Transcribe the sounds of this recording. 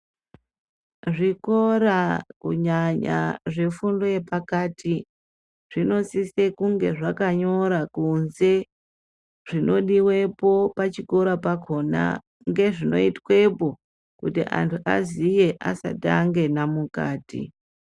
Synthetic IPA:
ʐiko̞ɾakṵɲaɲa̰ʐe̞fundojepakatʰi | ʐ̥ino̞sise̞kuŋɡe̞ʐakaɲo̞ɾakunze̞ | ʐ̥ino̞ɗiwe̞po̞pat͡ʃiko̞ɾapakʰo̞na̰ | ŋɡe̞ʐino̞̰itwe̞po̞ | kutḭʔa̰ntʰuʔa̰zije̞ʔa̰sa̰taŋɡe̞namuka̰ːtḭ

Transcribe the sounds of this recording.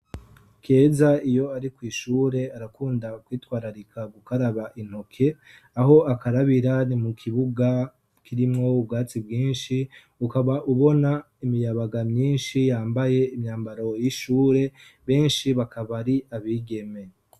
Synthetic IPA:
ke̞ːzaijo̞aɾikwiːʃuːɾe̞aɾakuːndakwiːtwaːɾaɾikʰaβukaɾaβaʔin̥ho̞kʰe̞ | aɦo̞akaɾaβiɾanimukʰiβuɡa | kʰiɾimŋo̞ub̚ɡaːt͡sibɡiːnʃi | ukaβaʔuβo̞na | imijaβaɡamɲiːnʃijaːmbaje̞imɲaːmbaɾo̞jiʃuːɾe̞ | βe̞ːnʃiβakʰaβaɾiaβiːɡe̞me̞

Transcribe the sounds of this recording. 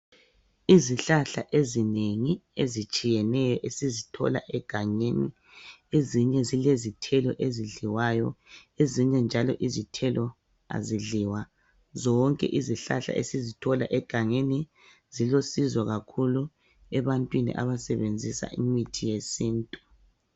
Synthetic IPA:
iziɬaɬaʔezineŋiezit͡ʃʼijɛnɛjɔʔesizitʰɔ̰la̰ʔɛɡ̥ʱaŋeni | eziɲɛzilezitʰɛlɔʔeziɮiwajɔeziɲɛnd͡ʒʱalɔʔizitʰɛlɔ | a̰ziɮiwa | zɔŋkʼɛ̰ʔiziɬa̰ɬa̰ʔḛsizitʰɔla̰ʔɛɡ̥ʱaŋeni | z̥ilosizwaɣakʰulu | ɛβantʼwinḭʔa̰βasɛβend͡zʱisa̰ʔimitʰijesiːntʼu

